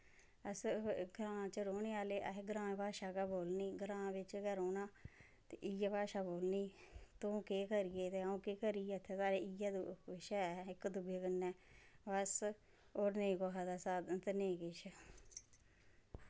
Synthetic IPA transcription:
əsɡəɾãːt͡ʃəɾoːneːaːleːʔəɦeɡɾãːpaːʃaːkaboːlniːɡəɾãːʋɪt͡ʃkɛɾoːnaː | t̪eʔɪjaːpaːʃaːboːlniːt̪ũːkeːkəɾijeːt̪eːaũːkeːkəɾieːət̪ʰːeːsaːɾeːijaːd̪ɪʃɛːɪkd̪ʊɡeːkənːɛːʋəs | oːɾneĩːkoːɦad̪aːsaːd̪t̪enẽːkɪʃ

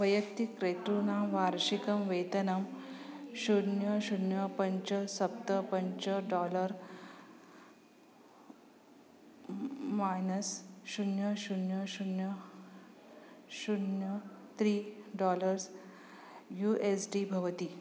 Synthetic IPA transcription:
ʋɐjək̚t̪ikɾet̪ɾunaːmʋaɾɕikɐmʋet̪ɐnam | ɕunjəɕunjəpɐɲt͡ɕəsɐp̚t̪əpəɲt͡ɕəɖɔləɾ | majnəsɕunjəɕunjəɕunjə | ɕunjət̪ʰɾiːɖɔləɾs | juʔesɖibʱɐʋt̪i

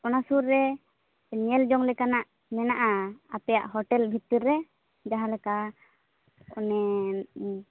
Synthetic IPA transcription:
ɔnasuɾːɛ | ɲɛld͡ʒɔŋlɛkanaʔ | mɛnaʔaapɛjaʔɦɔʈɛlbʱit̪iɾːɛ | d͡ʒaɦalɛka | ɔnɛ

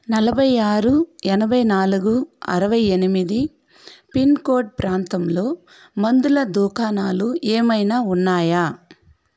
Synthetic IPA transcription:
nɐlɐbʱɐjaːɾuɛnɐbʱɐjnaːluɡuɐ̰ɾɐʋɐjenimid̪i | pinko̞ːɖ̚pɾaːnt̪ɐmlo̞ː | mɐnd̪ulɐd̪uːkʰaːnaːluʔeːmɐjnaːunːaːjaː

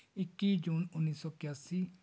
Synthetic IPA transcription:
ɪkːiːd͡ʒuːnʊnːiːsɔːkjaːsiː

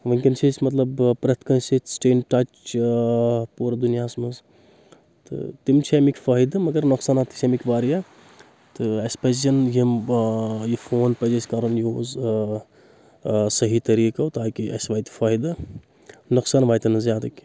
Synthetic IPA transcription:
ʋɐŋʲkɐnsʰesʲmɐt̪lɐbpɾɐt̪ʰkɐnsit͡ʃsʈeːnʈat͡ʃ | puːɾɐd̪unijaːsmɐz | t̪ɨ̰t̪imt͡ʃʰemikʲfaːjd̪ɨmɐɡɐɾnɐksaːnat̪i̥sʲemikʋaːɾija | t̪ɨɐspɐzjɐnjim | jifʰoːnpɐd͡ʒesʲkaɾɐnjoz | sɐɦit̪ɐɾiːkaut̪aːkiʔɐ̰sʋaːjt̪faːjd̪ɐ | nuksaːnʋaːjt̪ɐnɐzjaːd̪ɐkʲi̥

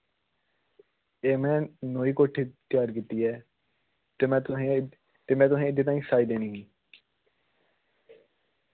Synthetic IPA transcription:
eːmɛ̃ːnoːiːkoːʈʰiːt̪ɪjaːɾkiːt̪iːɛː | t̪eːmɛ̃ːẽ | t̪eːmɛ̃ːt̪ʊsẽːɪd̪eːt̪̬ãːĩːsaːiːd̪eːnĩːɦĩː

